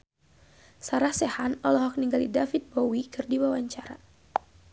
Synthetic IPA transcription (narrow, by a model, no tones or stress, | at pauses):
saɾahsɛhanɔlɔɦɔk̚niŋɡalidafit̪̚bowikɨrdiwawaɲt͡ʃaɾa̰